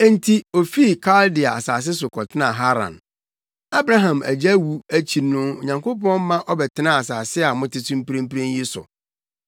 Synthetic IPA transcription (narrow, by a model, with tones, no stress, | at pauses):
ɛ̃˦n˦tʰi˦o˨fi˦˨kʰa˦ldɪ˨a˨a̰˨saː˨s̬ɪ˦s̬ʊ˨kʰɔ˨tʰɪ˦nã˦˨ɦa˦ɾã̰˨n | a˦bɾã˦ɦã˨mæ̰˨d͡ʑæ˦wu˦æ˦t͡ɕʰi˨nʊ̃˦o˨ɲã˨ŋko˦pɔ̃˦n˦mã˦ʔɔ˦bɛ˨tʰɪ˦nã˦a˨saː˨sɪ˦a˨mʊ̃˦tɪ˦sũ˦m˦pi˦ɾĩ˦m˦pi˦ɾẽ˦nji˦sʊ̰˨